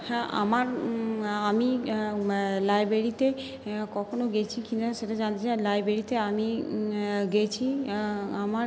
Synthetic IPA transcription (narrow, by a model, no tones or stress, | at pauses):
hɛ̃ʔa̰maɾ | ami | lajbɾeɾit̪e | kɔkʰonoɡet͡ɕʰikinaʃeʈad͡ʑant̪et͡ɕajlajbɾeɾit̪eami | ɡet͡ɕʰi | ama